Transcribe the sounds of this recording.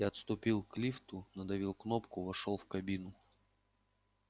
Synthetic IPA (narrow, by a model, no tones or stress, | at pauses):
jaɐt̪st̪ʊpʲilˠklʲift̪ʊnəd̪ɐvʲilˠknopkʊvɐʂolˠfkɐbʲinʊ